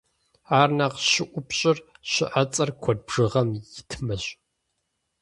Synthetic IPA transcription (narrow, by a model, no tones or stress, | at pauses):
aːrnaːqɕɪʔʷʊpɕʼɪrɕɪ̰ʔɐt͡sʼɐrkʷʰɔd̚bʐ̥ɨʁɐmjɪtʰmɐɕʼ